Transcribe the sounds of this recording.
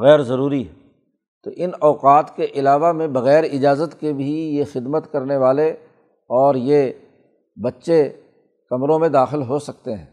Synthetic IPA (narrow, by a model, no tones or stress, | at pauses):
ɣɛːɾzɐɾuːɾiɦ | t̪oʔɪnɔːqaːt̪keʔɪlaːʋamẽbɐɣɛːɾɪd͡ʒaːzət̪kebʱijexɪd̪mət̪kɐɾneʋaːle | ɔːɾje | bɐtːʃe | kɐmɾõmẽd̪aːxɪlɦosɐk̚t̪eɦɛ̰̃ː